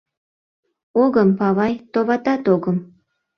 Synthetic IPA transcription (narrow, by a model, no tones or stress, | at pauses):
oɣəmpɑβɑjt̪oβɑt̪ɑt̪oɣəm